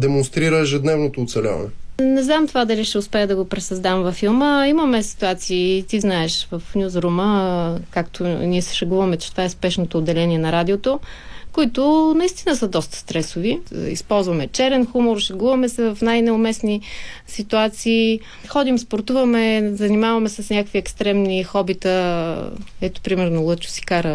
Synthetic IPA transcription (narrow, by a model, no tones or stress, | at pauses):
d̪ɛmonst̪ɾiɾəɛʒɛd̪nɛvnot̪oːt̪sɛlʲa̰vɐ̰nɛnɛznamt̪ovad̪ɐliʃt̪ɛʊspɛəd̪ɐɡopɾɛsɐzd̪amvɐfilˠməimɐmɛsi̥t̪uat̪siːt̪iznaɛʃvɐfnʲjuzɾuməkakt̪ʰoniɛsɛ̥ʃɐɡuvɐmɛt͡ʃɛ̥t̪ovaɛspɛʃnot̪oːd̪ːɛlɛniɛnɐɾad̪ʲiot̪o | koit̪ʊnɐist̪inəsəd̪ɔst̪ə̥st̪ɾɛsʊviḭspɔlˠzvɐmɛt͡ʃɛɾɛnxumoɾʃɐɡuvɐmɛsɛvɐfnajnɛʊmɛsni | sit̪uat̪siː | xɔd̪imspoɾt̪uvɐmɛzɐnimavɐmɛsəsnʲakəkviɛkst̪ɾɛmnixɔbit̪ə | ɛt̪ʊ̥pɾimɛɾnolˠɤt͡ʃʊ̥si̥kaɾə